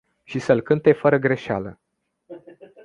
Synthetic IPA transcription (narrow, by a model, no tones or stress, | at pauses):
ʃisəlkɨnt̪e̞fəɾəɡɾe̞ʃea̰lə